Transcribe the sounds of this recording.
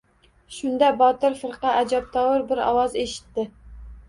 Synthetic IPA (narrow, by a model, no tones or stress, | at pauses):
ʃʊnd̪ɑbɒt̪ɪɾfɨɾqɑʔæd͡ʒɑp̚t̪ʰɑwɨɾbɪɾɒ̰wɑzeʃɪ̥t̪ːɪ